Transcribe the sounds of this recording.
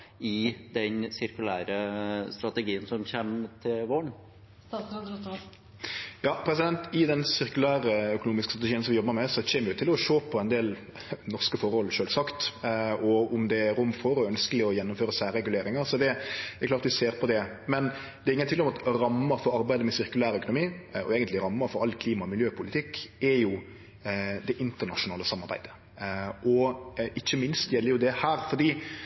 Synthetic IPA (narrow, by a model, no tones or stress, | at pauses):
ɪd̪ɛnsɪɾkʉlæːɾəst̪ɾɑt̪əɡiːənsɔmçemt̪ʰɪlʋoːɳ | jɑːpʰɾɛs̬ɪd̪ɛnt̪ɪd̪ɛnsɪɾkʉlæːɾəœkʊnuːmɪskəst̪ɾɑt̪ɛʃiːənsɔmʋɪjɔbːəɾmɛsɔçeːməɾjʊt̪ʰɪlɔʂoːpʰɔɛnd̪eːl | nɔʁskəfɔɾhɔlʂøːlsɑkt̪ɔʊmd̪ɛɾʊmːfɔɾɔœnskəlɪɔjɛnːʊmføːɾəsæːɾɛɡʉleːɾɪŋəɾsɔd̪ɛɛɾklɑːɾt̪ʋɪseːɾpʰɔd̪ɛ | mɛn | d̪̥ɛɾɪŋənt̪ɪŋːɔmɑt̪ɾɑmːəɾfɔɾɑɾbæɪd̪əmɛsɪɾkʉlæːɾœkʊnʊmiːɔ̰eːɡənlɪɾɑmːəɾfɔɾɑlːkʰliːmɑmɪljøːpʰʊlɪt̪ʰɪkːɛɾjʊ | d̪ɛʔɪnt̪əɾnɑʂʊnɑːləsɑmːɑɾbæ̰ɪd̪ə̥ | ʔɔʔɪçːəmɪnst̪jɛlːəɾjʊd̪ɛhæːɾfɔɾd̪iː